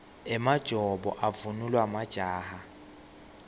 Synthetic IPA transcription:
ɛmad̥ʒ̥ʱɔbɔ̰ʔavunulwamad̥ʒ̥ʱaːha

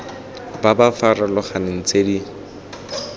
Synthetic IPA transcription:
babafaralʊχanɪn̩t͡sʼedi

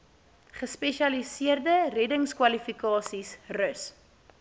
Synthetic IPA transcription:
χəspɛʃɐlisiərdərɛdəŋskwɐlifikɑːsisrəs

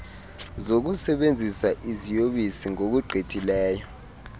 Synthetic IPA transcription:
zok̬usɛɓend͡zʱisaʔizijoɓisiŋok̬uɡ͡ǃʱetʰʼilɛːjɔ

